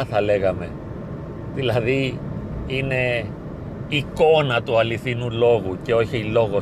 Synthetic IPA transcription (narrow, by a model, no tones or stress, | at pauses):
θɐle̞ɣɐme̞ | ðilɐði | ine̞ | iko̞nɐt̪uɐliθinulo̞ɣuce̞o̞çiilo̞ɣo